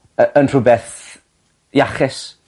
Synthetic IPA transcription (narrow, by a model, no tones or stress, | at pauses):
əənr̥ʊbɛθ | jaχɪs